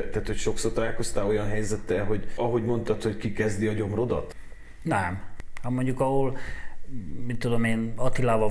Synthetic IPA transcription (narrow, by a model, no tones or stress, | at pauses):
t̪ːæːt̪hocʃo̞kso̞rt̪ɒlaːlko̞st̪aːo̞jɒnɦɛjzɛt̪ːɛlɦo̞ɟɒɦo̞ɟmo̞nt̪ɒt̪ho̞ckikɛzd̪iɒɟo̞mro̞d̪ɒ̰t̪ | nɛmhɒmo̞ɲɟukɒɦol | mit̪ːud̪omeːnɒt̪ilaːvɒ